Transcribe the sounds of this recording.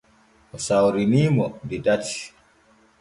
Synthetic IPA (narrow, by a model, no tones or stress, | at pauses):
ʔɔsawɾiniːmɔdidati̥